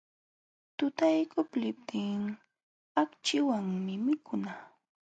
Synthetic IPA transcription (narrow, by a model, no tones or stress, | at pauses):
t̪ʊt̪ajkʊplɪp̚t̪ʰɪŋ | akt͡ʃɪwaŋmɪmɪkʰʊna